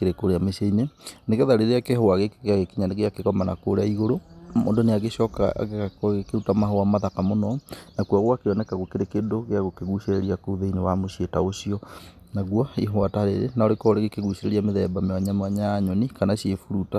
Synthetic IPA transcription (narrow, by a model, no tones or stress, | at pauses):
keɾekoɾeameʃeineneɣeðaɾeɾeakeɦoaɣekɣeaɣekiɲaneɣeakeɣɔmana̰ko̰ɾaiɣoɾomo̰ːndoneaɣeɕɔka̰kɣekeutamaɦoamaðakamonɔnakuaɣwakeɔnɛkaɣokeɾekendoɣeaɣokeɣuʃeɾeɾiakoðeinewamoɕietaoɕiɔ | naɣwɔiɦwataɾḛɾḛnaɔɾekɔɾeɣekeɣuʃeɾeɾiameðɛbameaɲameaɲajaɲɔnikanaɕiefuɾuta